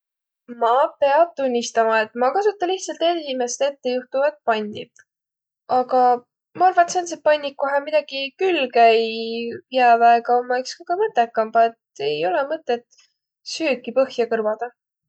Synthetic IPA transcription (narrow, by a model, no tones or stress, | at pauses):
mɑpe̞ɑb̥̚t̪unʲːist̪ɑmɑe̞t̪mɑkɑsut̪ːˑɑliht̪sɑlt̪ned̪esime̞st̪e̞t̪ːejuht̪uvɑt̪̚pɑnʲd̪ḭ | ɑɡ̥ɑ | mɑɑrvɑt̪sensepɑjnʲːikːoɦemid̪̥ɑɡ̥ikylːkæjjævæeɡɑomːɑekskɑkɑmɤt̪ːˑekːˑɑmb̥ɑet̪e̞jo̞lemɤt̪ːˑet̪ | syːkːipɤhjɑkɤrvɑd̪̥ɑ